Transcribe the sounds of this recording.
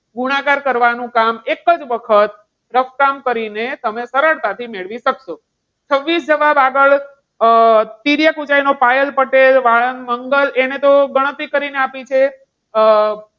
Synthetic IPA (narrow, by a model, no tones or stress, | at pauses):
ɡuɽ̃akaɾkəɾʋanũkamekəd͡ʒʋəkʰət̪ | ɾəfkamkəɾinet̪əmesəɾəɭt̪at̪ʰimeɭʋiʃəkʃo | t͡ʃʰəʋːisd͡ʒəʋabaɡəɭ | t̪iɾjakud͡ʒajnopajəlpəʈelʋaɭənməŋɡəlenet̪oɡəɽ̃ət̪ʋikəɾineapit͡ʃʰe